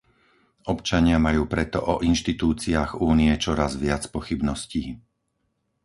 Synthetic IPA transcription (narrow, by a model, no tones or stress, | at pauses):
ɔpt͡ʃaɲɪamajuːpɾɛt̪ɔʔɔʔinʃt̪it̪uːt͡siaːɣuːniɛt͡ʃɔɾazʋɪat͡spɔxibnɔsciː